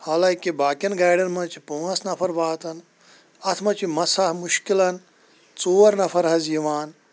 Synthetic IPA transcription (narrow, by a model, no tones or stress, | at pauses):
haːlaːkibaːkʲɐnɡaːjɖɐnmɐt͡ʃʰipoːɐsnɐfʰɐɾʋaːt̪ɐn | ɐt̪ʰmɐt͡ʃʰimɐsɐhmuʃkilɐn | t͡soːɐɾnɐfʰɐɾɦɐzjiʋaːn